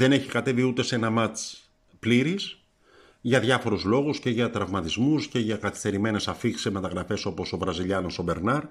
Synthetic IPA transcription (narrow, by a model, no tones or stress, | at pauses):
ðe̞ne̞çikɐt̪e̞viut̪e̞se̞nɐmɐt͡s | pliɾis | ʝɐðʝɐfo̞ɾuzlo̞ɣusce̞ʝɐt̪ɾɐvmɐt̪izmusce̞ʝɐkɐθi̥st̪e̞ɾime̞ne̞sɐfikseme̞t̪ɐɣɾɐfe̞so̞po̞so̞vɾɐziʎɐnoso̞be̞ɾnɐɾ